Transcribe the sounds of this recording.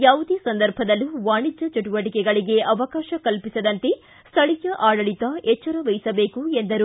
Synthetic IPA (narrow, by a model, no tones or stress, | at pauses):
jaːʋud̪esɐnd̪ɐɾbʱɐd̪ɐlːuʋaːɳid͡ʒɐt͡ʃuʈuʋɐʈikɛɡɐɭiɡe̞ʔɐʋɐkaːʃɐkɐlpisɐd̪ɐnt̪e̞ | st̪ʰɐɭijɐʔaːɽɐɭit̪ɐet͡ʃːɐɾɐʋɐjisɐbe̞ːkuend̪ɐɾu